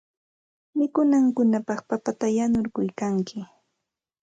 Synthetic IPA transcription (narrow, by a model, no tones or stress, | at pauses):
mɪkʊnaŋkʊnapɑχpapat̪ajanʊɾkʊjkaŋkʰɪ